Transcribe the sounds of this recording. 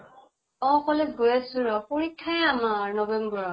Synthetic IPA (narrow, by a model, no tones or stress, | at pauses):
ɔ̃kɔlɛɡojasuɹɔpoɹikʰːajamaɹnɔbɛmbɔɹɔ